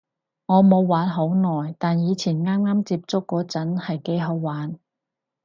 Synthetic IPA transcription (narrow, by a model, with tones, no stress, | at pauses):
ŋɔː˨˧mo˨˧wːaː˨˥nɦo˨˥wnɔː˨˩jt̪aː˨njiː˨˧t͡sʰiː˨˩nŋaː˥maː˥mt͡siː˧˥p̚t͡sʊ˥kːɔː˨˥t͡sɐ˨˥nhɐ˨jke˧˥jɦɐ˨˧wwaː˨˥n